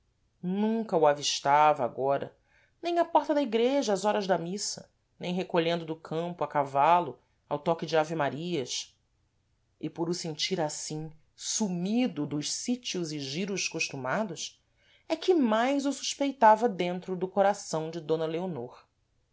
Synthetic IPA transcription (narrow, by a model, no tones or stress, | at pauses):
nũŋkɐuaviʃt̪avɐa̰ɡɔɾɐ̰ | nẽj̃ɐpɔχt̪ɐd̪ɐiɡɾeʒɐːzɔɾɐzd̪ɐmisɐ̰ | nẽj̃ɦekoʎẽnd̪ʊd̪ʊkʰɐ̃mpʊakavalʊ | awt̪ɔkɪd͡ʒɪavimaɾiɐs | ɪpʊɾʊsẽnt͡ʃiɾasĩ | sumid̪ʊd̪ʊʃsit͡ʃiʊzɪʒiɾʊʃkuʃt̪umad̪ʊs | ɛkɪmajzʊsu̥ʃpejt̪avɐd̪ẽnt̪ɾʊd̪ʊkoɾasɐ̃w̃d͡ʒɪd̪õnɐleonoɾ